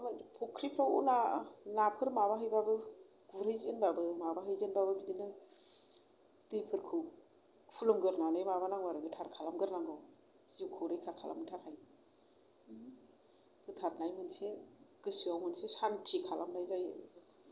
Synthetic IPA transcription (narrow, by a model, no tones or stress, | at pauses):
mɯpʰokʰɾipʰɾawṵnanapʰɯɾmaβaɦɯjbabɯ | ɡuɾɯjzɯnbabɯmabaɦɯjzɯnbabɯbidinɯ | tɯjpʰɯɾkʰɯw | pʰulumɡɯɾnanɯjmaβanaŋwaɾɯɡɯtʰaɾkʰalamɡɯɾnaŋɡaw | zikʰɯwɾɯjkʰakʰalʔa̰mtʰakʰaj | pʰɯtʰaɾnajmɯnseɡ̥ɯsiawmɯnsesantʰikʰalamnajzajɯ